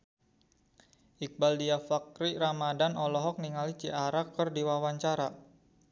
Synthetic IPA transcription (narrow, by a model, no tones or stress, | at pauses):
ʔik̚baldiafakɾiɾamadanɔlɔɦɔk̚niŋalit͡ʃiʔaɾakərdiwawaɲt͡ʃaɾa